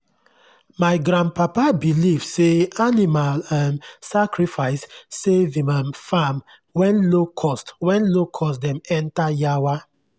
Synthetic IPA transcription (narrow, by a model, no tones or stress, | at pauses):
maɪɡɾãnd̚papabilivseanimalɛmsakɹifaɪsːevĩmanfam | wɛ̃nlokʰɔstwɛ̃nlokʰɔstdɛ̃mɛ̃ntajawa